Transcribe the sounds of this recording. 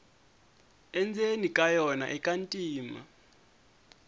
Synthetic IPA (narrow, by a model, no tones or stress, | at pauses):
ɛnd͡zʱenikʼajɔna̰ʔɛkʼantʼiːma̰